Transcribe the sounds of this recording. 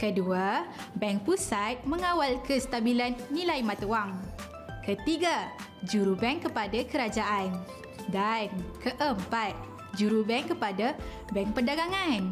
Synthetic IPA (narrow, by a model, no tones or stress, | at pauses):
kədua | bɛŋpusat̪̚məŋawalkəst̪abilanːilajmãt̪əwaŋ | kət̪iɡa | d͡ʒuɾubɛŋkəpadakəɾad͡ʒaʔan | dankʰəʔəmpat̪̚ | d͡ʒuɾubɛŋkəpada | bɛŋpərdaɡaŋan